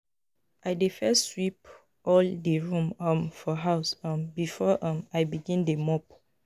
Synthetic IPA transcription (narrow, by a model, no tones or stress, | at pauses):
ʔajdefɛswip | ʔɔldeɹũmʌ̃mfɔɦaʊsʌ̃mbifɔʔʌ̃majbiɡĩndemɔp